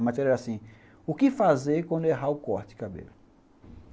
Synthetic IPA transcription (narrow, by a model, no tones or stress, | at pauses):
mat̪ɛɾɛɾasĩ | ʊkɪfazeɾkwɐ̃nd̪ʊeɦaʊkɔɾt͡ʃ̪ɪkabḛlʊ